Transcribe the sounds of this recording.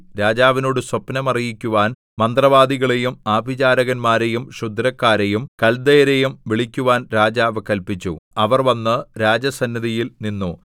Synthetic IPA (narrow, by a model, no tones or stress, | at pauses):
ɾaːd͡ʑaːʋino̞ːɽɨswɐpnɐmɐrijikʲːuʋaːn | mɐnd̪rɐʋaːd̪iɣɐɭe̞jumaːbʱid͡ʑaːɾɐɣɐnmaːɾe̞jumɕud̪ʱɾɐkːaːɾejumkɐld̪ejɐɾejumʋiɭikʲːuʋaːnɾaːd͡ʑaːʋɨkɐlpit͡ɕːṵɐʋɐrʋɐnːɨɾaːd͡ʑɐsɐnːɐðijilninːu